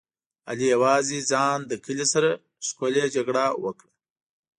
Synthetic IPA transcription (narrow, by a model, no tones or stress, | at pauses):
a̰lijawɑːzid͡zɑːnd̪əkəlisaɾa | skoled͡ʒaɡɽawəkɽa